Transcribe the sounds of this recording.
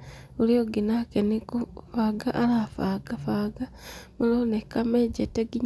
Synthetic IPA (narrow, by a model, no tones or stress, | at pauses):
ulioɡinakenikufaːɡaʔalafaːɡ̥afaɡa | mulonekameɟeteɡiɲ